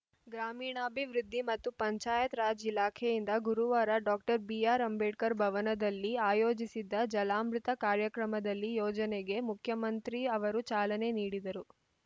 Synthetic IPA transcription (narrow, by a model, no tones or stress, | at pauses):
ɡɾaːmiːɳaːbʱiʋɾid̪ʱːimɐt̪ːupɐɲt͡ʃaːjɐt̪ɾaːd͡ʒilaːkʰejind̪ɐɡuɾuʋaːɾɐɖɔːk̚ʈɐɾbijaːɾɐmbeːʈkɐɾbʱɐʋɐnɐd̪ɐlːiaːjoːd͡ʒisid̪ːɐd͡ʒɐlaːmɾut̪ɐkaːɾjɐkɾɐmɐd̪ɐlːijoːd͡ʒɐneɡe̞mukʰjɐmɐnt̪ɾiɐʋɐɾut͡ʃaːlɐne̞niːɽid̪ɐɾu